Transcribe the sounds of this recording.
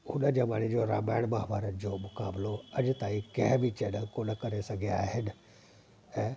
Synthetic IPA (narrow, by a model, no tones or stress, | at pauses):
ʊnəd͡ʑeːmaːɽ̤̃id͡ʑoɾa̰ːmaːɪɽ̃maɦbaːɾənɪ̆d͡ʑoːmʊkaːbloɐd͡ʑt̪aːĩkɐ̃ɦbʱit͡ɕɛːnəlkonɐkɐɾesɐɡʱiaːɦɪnɪ̆ | ɛ̃ː